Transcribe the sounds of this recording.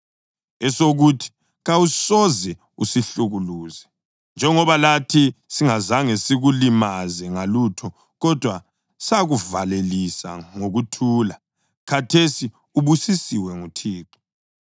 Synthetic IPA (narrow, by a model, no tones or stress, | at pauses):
ɛsoɣutʰi̥ | ɣawusɔzɛ | usiɬuɣuluːzɛ | nd͡ʒʱɛŋɔβalatʰisiŋazaŋesiɣulimazɛŋalutʰɔ | ɣɔd̥ʱwa | saɣuvalelisa̰ŋoɣutʰuːla | kʰatʰesi | uβusisiwɛŋutʰiːǃi̥